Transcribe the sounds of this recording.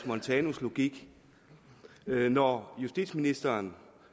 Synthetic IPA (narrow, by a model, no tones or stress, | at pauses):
mɒnt͡sʰɛːnoslo̝ɡ̥iɡ̥ | nɒjusd̥ḭd̥sminisd̥ɐːn